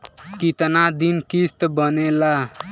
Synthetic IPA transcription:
kit̪nad̪inkist̪bʌnela

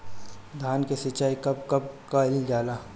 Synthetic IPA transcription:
d̪ʱaːnkesɪt͡ʃaːikɐb̚kɐb̚kaɪld͡ʒaːla

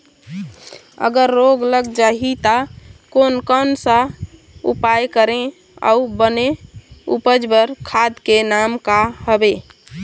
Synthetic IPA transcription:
ə̰ɡəɾːoɡləɡd͡ʒaɦit̪akonkənsa | ṵpajkəɾẽ | a̰ubənẽṵpəd͡ʒbəɾkʰad̪kenamkahəbe

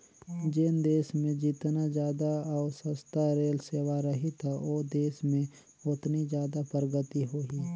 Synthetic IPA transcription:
d͡ʒɪnd̪eːsmẽd͡ʒɪt̪nad͡ʒjaːd̪aaːsəst̪aɾeːlseːwaɾəɦit̪ʰaoːd̪eːsmẽ | ʊt̪nid͡ʒjaːd̪apəɾəɡət̪iɦoːɦi

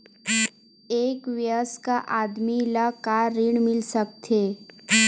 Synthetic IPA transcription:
eːkʋjəskaʔaːd̪milakaɾɪɳmɪlsək̚t̪ʰeː

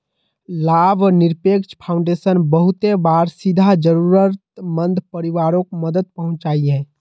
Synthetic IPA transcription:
labəniɾpekt͡ʃpʰaʊ̃ɳɖesənbəɦut̪ebaɾsid̪ʱad͡ʒəɾuɾət̪mənd̪ʱpəɾiʋaɾõkməd̪əd̪̚pəɦʊ̃nt͡ʃaːiɦɛ̃

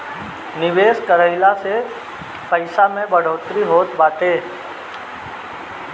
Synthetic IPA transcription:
nɪʋeːskəɾəɪlase | pəɪsamẽbəɽoːt̪ɾiɦoːt̪baːʈeː

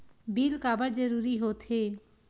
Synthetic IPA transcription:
bʱilkabaɾd͡ʑeɾuɾiɦot̪ʰe

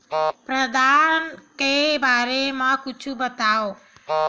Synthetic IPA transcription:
pɾəd̪ankebaɾemãkut͡ʃʰubət̪ao

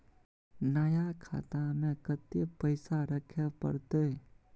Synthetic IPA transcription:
najakʰa̰ːt̪amẽkət̪jepəɪsaɾəkʰjapə̰ɾt̪e

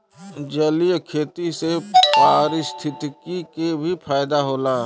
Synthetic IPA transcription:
d͡ʒəlijkʰeːt̪isepaːɾɪst̪ʰɪt̪kikebʱipʰaːjd̪aɦoːlaː

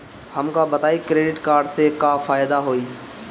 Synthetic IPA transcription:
həmkaːbət̪aːikɾeːɖɪʈkaːɾɖsekafaːjd̪aɦoːiː

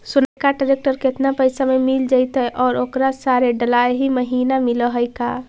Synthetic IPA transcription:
sunajkaɖəɾek̚ʈəɾket̪napəjsamemild͡ʒaɪt̪ɛʔɔːɾoːkɾasaɾeɖəlaeɦiməɦinamiləɦəjka

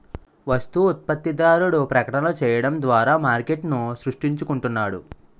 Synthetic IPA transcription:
ʋɐst̪uːt̪̚pɐt̪ːid̪aːɾuɽupɾɐkɐʈɐnɐlut͡ʃɛːjɐɽɐmd̪ʋaːɾaːmaːɾke̞ʈnusɾuʂʈiɲt͡ʃukuɳʈunːaːɽṵ

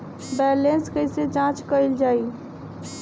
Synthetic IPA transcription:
bɛlenskəjset͡ʃãt͡ʃkəɪld͡ʒaːi

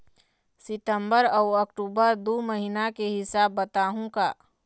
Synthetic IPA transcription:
sɪt̪əmbəɾɔːəkʈuːbəɾd̪oməɦinakeɦɪsaːbːət̪aːɦũkaː

